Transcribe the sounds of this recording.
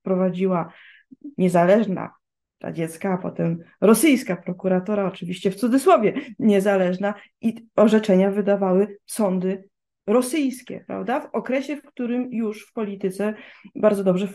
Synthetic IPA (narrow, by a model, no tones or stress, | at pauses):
pɾɔvad͡ʑiwa | ɲɛzalɛʐna̰ | t̪a̰d͡ʑɛt̪skaːpɔ̰t̪ɛmɾɔsɘjskapɾɔkuɾat̪ɔɾaɔt͡ʂɘvʲiɕt͡ɕɛft̪sud̪zɘswɔvʲjɛɲɛzalɛʐna | iɔʐɛt͡ʂɛɲavɘd̪avawɘsɔnd̪ɘ | ɾɔsɘjskʲɛ̰pɾa̰vd̪avɔkɾɛɕɛfkt̪uɾɘmjuʂfpɔlʲit̪ɘt̪sɛbaɾd̪zɔd̪ɔbʐɛ